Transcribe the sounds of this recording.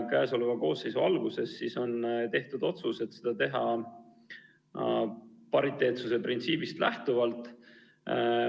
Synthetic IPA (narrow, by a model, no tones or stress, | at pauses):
kæːso̞luvɑko̞ːsːe̞jsuɑlɡuse̞sːiso̞nt̪e̞ht̪ud̪o̞t̪suse̞t̪sed̪̥ɑt̪e̞ɦɑ̰ | pɑɾit̪ːˑe̞ːt̪suse̞print̪siːb̥ist̪læ̰ht̪uvɑlt̪ːˑ